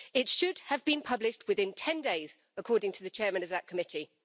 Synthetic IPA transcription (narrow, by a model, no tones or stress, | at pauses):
ɪtʃʊd̥əvbĩnpʰʌblɪʃt̚ʰwɪðɪ̃ntʰɛ̃ndeɪz̥ | əkʰɔːdɪ̃ŋtʰəðət͡ʃʰɛːmə̃nəvðəʔ̚kʰəmɪtʰi